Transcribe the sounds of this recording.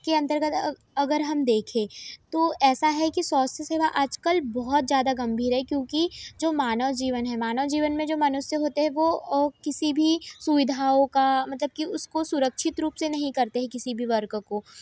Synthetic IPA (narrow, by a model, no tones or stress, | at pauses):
keɐ̃nt̪əɾɡət̪ | ɐɡəɾɦɐmd̪eːkʰẽːt̪oːɛːsaɦɛkisɔːst̪əseːʋaʔaːd͡ʒkəlbɔɦɔt̪̚zjaːd̪aɡɐ̃mbʱiːɾɦɛkjõːkid͡ʒoːmaːnəʋd͡ʒiːʋənɦɛmaːnəd͡ʒiːʋənmẽd͡ʒoːmɐnʊsːjəɦoːt̪eɦɛ̃ʋokɪsibʱisuʋɪd̪ʱaːõkamɐt̪ləb̚kiʊskosʊɾəkʃʰɪt̪ɾuːpsenɐɦĩkɐɾt̪eɦɛ̃kɪsibʱiʋɐɾkkoː